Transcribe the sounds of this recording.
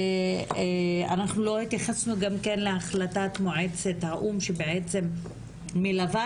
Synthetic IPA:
a̰naχnulo̞hit̪jaχasnuɡamkenleaχlatatmoʕet͡se̞thaʔumʃebeʕet͡se̞mː | ilava

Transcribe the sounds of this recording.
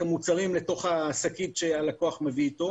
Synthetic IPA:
amut͡saʁimle̞to̞χaːsakitʃealako̞aχmeviːto̞

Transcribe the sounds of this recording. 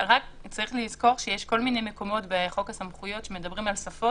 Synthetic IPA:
ʁakt͡saʁiχlizko̞ʁʃejeʃko̞lminejmeko̞mo̞tbeχo̞kasamχujo̞tʃe̞me̞dɐbʁimalsafo

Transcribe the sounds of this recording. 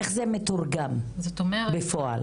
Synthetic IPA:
eχzemet̪uʁɡamzot̪omebefoa̰l

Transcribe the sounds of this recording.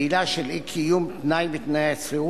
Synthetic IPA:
ilaʃelikʰijumt̪najbit̪najat͡sʁiu

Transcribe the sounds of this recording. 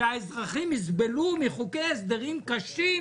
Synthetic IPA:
aezʁaχimːizbe̞lumiχuke̞jes̬d̪eʁimkaʃi

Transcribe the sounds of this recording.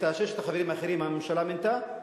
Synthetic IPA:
t̪aʃeʃet̪aχaveɾimaːχeɾimamimʃalament̪a

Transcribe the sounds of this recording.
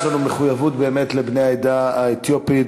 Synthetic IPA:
lanumeχujavutbe̞ːme̞t̪lebnejaed̪aaet̪jopi

